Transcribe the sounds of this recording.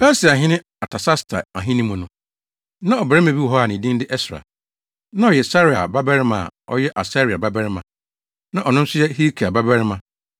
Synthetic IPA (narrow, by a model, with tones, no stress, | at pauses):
bɛ˦si˨a˨ɦɪ̃˦nɪ̃˦ | a˨tʰa˨sa˦stʰa̰˨a˨ɦɪ̃˦nĩ˦mʊ̃˨nʊ̃˨ | nã˦ɔ˨bɛ˨ɛ˦mẽ˨bi˦ɔ˨ɦɔ˦a˨nɪ̃˨dɪ̃˦n˦dɪ˦ʔɛ˦sɾa̰˨ | nã˦ɔ˨jɛ˨sa˦ɾi˨a̰˨ba˦bɛ˦ɾɪ˦mã˨a̰˨ɔ̰˦jɛ˦ʔa˨sa˦ɾi˨a˨ba˦bɛ˦ɾɪ˦mã˨ | nã˦ʔɔ˨nʊ̃˦m̩˦sʊ˦jɛ˦hi˦kʰi˨a˨ba˦bɛ˦ɾɪ˦mã˨